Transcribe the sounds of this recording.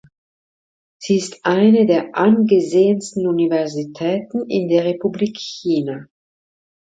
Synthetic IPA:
z̥iːɪstʔaɪnədeːɐʔanɡəzeːənstn̩univɛɐzitʰɛːtn̩ɪndeːɐʁepubliːkçiːna

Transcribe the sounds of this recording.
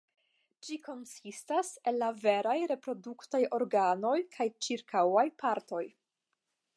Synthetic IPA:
d͡ʒiko̞nsistaselːave̞ɾajɾe̞pɾo̞duktajo̞ɾɡano̞jkʰajt͡ʃiɾkawajpʰaɾto̞j

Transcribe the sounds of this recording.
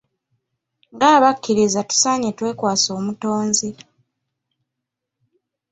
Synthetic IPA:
ŋɡaːβakːiɾizatu̥saːɲetwe̞ːkwaːso̞ːmutoːnzi

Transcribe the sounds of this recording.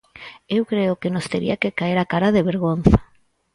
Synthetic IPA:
ewkɾeʊkenost̪eɾḭakekaeɾakaɾaðeβeɾɣon̟θḁ

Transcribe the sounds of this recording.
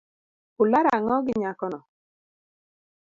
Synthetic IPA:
ʊlaɾaŋɔɡɪɲakɔnɔ

